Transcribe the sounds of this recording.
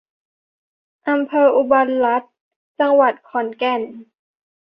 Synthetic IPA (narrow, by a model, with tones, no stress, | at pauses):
ʔa˧mpʰɤː˧ʔu˧ba˧nla˦˥t̪̚ | t͡ɕa˧ŋwa˨˩t̪̚kʰɔ˩˦nkɛ˧˩n